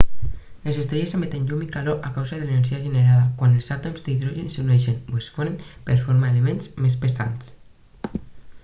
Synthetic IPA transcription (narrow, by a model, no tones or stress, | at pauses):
lesest̪ɾeʒesemet̪enʎumikaloʔakawzaðeleneɾʒiaʒeneɾaðakwanelˠzat̪omzd̪iðɾoʒenseunɛʃenwesfonempeɾfoɾmaelemẽnzmespesa̰ns